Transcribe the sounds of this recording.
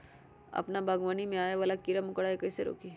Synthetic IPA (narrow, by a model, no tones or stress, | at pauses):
ɐ̰pnabɐɡʋaːnimẽaːjaʋalakiɾəmʊkəɽaːekɐiseɾo̰ːki